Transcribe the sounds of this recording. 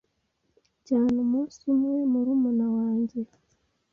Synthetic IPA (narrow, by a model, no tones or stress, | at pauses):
caːnumosimwemuɾumunawaːɲɟe